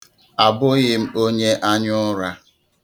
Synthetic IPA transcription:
a˨bʊ˦ɣɪ˦m̩˦o˦ɲe˦ʔa˦ɲʊ˦ɾa˦

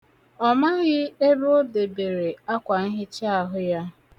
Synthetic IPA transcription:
ɔ˨ma˦ɣɪ˦e˦bo˦de˨be˨ɾe˨a˦kʷa˨n̩˦ɦɪ˦t͡ʃɪ˦a˨ɦʊ˦ja˦

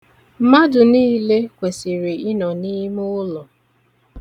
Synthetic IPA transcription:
m̩˦ma˦dʊ˨niː˦le˦kʷe˨si˨ɾi˨ɪ˦nɔ˨ni˦mʊ˦lɔ˨

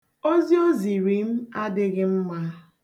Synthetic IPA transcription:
o˦zi˦o˦zi˨ɾi˨m̩˦a˦dɪ˦ɣɪ˦m̩˦ma˦

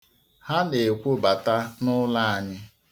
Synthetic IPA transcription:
ha˦ne˨kʷʊ˦ba˨ta˦nʊ˦la˦a˨ɲɪ˦

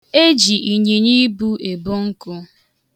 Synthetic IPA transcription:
e˦d͡ʒi˨ʔi˨ɲi˨ɲi˦bu˦e˨bʊ˦ŋ̩˦kʊ˦

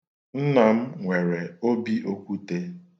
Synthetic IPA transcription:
n̩˦na˨m̩˦ŋʷe˨ɾe˨o˦bi˦ʔo˦kʷu˦te˦

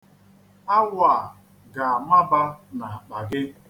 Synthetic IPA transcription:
a˦waː˨ | ɡa˨ma˦ba˦na˨k͡pa˨ɡɪ˦

